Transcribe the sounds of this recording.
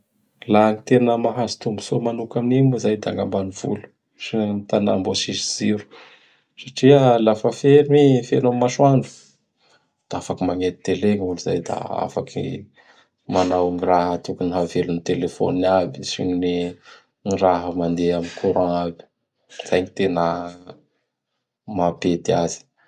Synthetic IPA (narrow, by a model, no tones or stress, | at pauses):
lanit̪eɾanəmaɦazi̥t̪umbu̥somanukaminimuzajd̪aŋɡambaniv̥ṵlu̥ | sinmit̪ana̰mbosiziz̥iɾu̥ | saʈ͡ʂialafəfenifenomaʃwaɳɖ͡ʐu̥ | d̪̥aafakimaŋet̪i̥t̪eleŋuluza̰jd̪a̰a̰fakʰḭ | manawŋiraɦət̪ukuniɦavelunit̪elefo̰nabisḭɲine | ŋiraɦəmand̪eamikʰuɾãabi̥ | z̥ajɲit̪enə | maped̪iaz̥i̥